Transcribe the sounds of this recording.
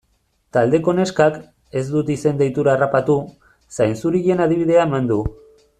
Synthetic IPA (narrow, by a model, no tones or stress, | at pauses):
t̪ald̪e̞ko̞ne̞skak | e̞zd̪ut̪ise̞nd̪ejt̪uɾaːrapat̪u | sajnsuɾiʎe̞naðiβ̞iðe̞aemand̪u